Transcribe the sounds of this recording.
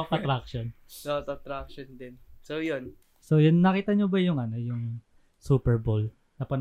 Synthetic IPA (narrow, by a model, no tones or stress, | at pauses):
ʔɐt̪ɾakʃon | ot̪ɐt̪ɾak̚ʃond̪ɪnsojon | sojonːɐkiːt̪ɐɲobɐjʊŋɐno̞jʊŋ | suːpɛɹbol | nɐpɐn